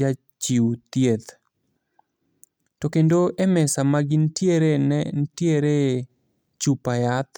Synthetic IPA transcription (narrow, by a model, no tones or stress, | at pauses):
a | t͡ʃiwt̪jet̪ | tokendoʔemɛsamaɡɪntjeɾenɛntjeɾe | t͡ʃupajat̪